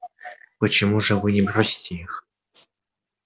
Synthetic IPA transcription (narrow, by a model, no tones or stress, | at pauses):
pət͡ɕɪmuʐɨvɨnʲɪbɾosʲɪ̥tʲɪix